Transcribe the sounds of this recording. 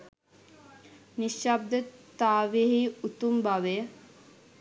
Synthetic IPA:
niʃab̚d̪ət̪ːaːʋejəɦiut̪umbaʋejə

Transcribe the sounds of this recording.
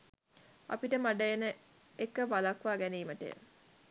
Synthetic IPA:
a̰piʈəmaɖəjenə | ekːəʋalakʋaːɡæniːməʈḛ

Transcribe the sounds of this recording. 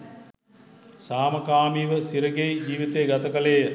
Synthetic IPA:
saːmɐkaːmiːʋəsiɾəɡejd͡ʒiːʋit̪ejɡat̪ɐkɐlejə

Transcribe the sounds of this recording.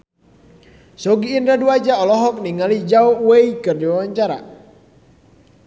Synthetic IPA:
sɔɡiːndaduad͡ʒaɔlɔɦɔk̚niŋalid͡ʒaɔwɛikɨrdiwawaɲt͡ʃaɾa̰

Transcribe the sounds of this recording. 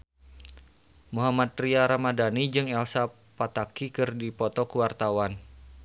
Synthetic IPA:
muɦamat̪̚riaɾamadanid͡ʒɨŋɛlsa | pat̪akikɨrdipɔt̪ɔkuwart̪awan

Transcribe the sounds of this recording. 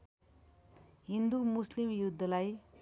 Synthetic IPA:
ɦind̪umuslimjud̪ʱːʌlaj

